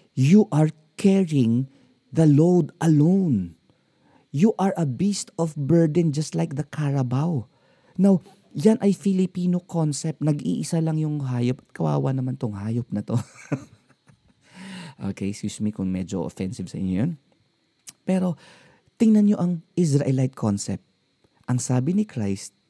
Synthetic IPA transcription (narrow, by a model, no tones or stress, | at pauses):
juʔɐɹ | kʰɛɹɪŋ | ðɐlowd̪ʔɐlown | juʔɐɹʔɐbist̪ɔfbɛɹd̪ɛnd͡ʒɐst̪lajk̚ðɐkʰaɹɐbaw | naw | janʔɐjfɪlɪpiːnokonsɛp̚t̪̚nɐɡʔḭːʔɪsalɐŋjʊŋɦaːjop̚ɐt̪̚kɐwa̰ːwɐnɐmant̪oŋhaːjop̚nɐt̪o̞ | ʔo̰kejskjuːsmikʊŋmɛd͡ʒo̰ʔo̰fɛnsɪvsɐʔɪ̰ɲːojon | pɛɾo̞ | t̪ɪŋnɐnɲoʔɐŋʔis̬ɹɐʔɛlajt̪̚kʰonsɛ̰p̚t̪̚ | ʔɐŋsaːbɪnɪkɹajst̪̚